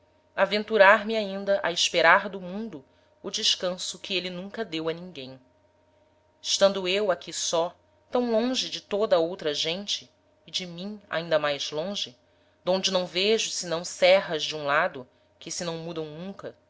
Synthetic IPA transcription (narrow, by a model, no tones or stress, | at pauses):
avẽnt̪uɾaɾmɪaĩnd̪ɐʔɐɪʃpeɾaɾd̪ʊmũnd̪ʊ | ʊd͡ʒɪʃkɐ̃sʊkɪelɪnũŋkɐd̪ewɐnĩŋɡẽj̃ | ɪʃt̪ɐ̃nd̪ʊewakʰʲisɔ | t̪ɐ̃w̃lõʒɪd͡ʒɪt̪od̪ɐowt̪ɾɐʒẽnt͡ʃɪː | d͡ʒɪmĩa̰ĩnd̪ɐmajzlõʒɪ | d̪õnd͡ʒɪnɐ̃w̃veʒʊsɪnɐ̃w̃sɛɦɐʒd͡ʒɪũlad̪ʊ | kɪsɪnɐ̃w̃mud̪ɐ̃w̃nũŋkɐ